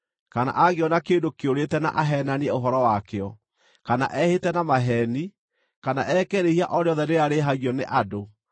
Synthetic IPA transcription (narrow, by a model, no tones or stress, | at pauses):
kana̰ʔaɣeɔnakeːndokeoɾetɛna̰ʔaɦɛnaneɛoɦɔɾɔwakeɔ | kana̰ʔɛhetɛnamaɦɛni | kanaʔɛkɛɾehiaʔɔɾeɔðɛneaɾeɦaɣjɔneʔado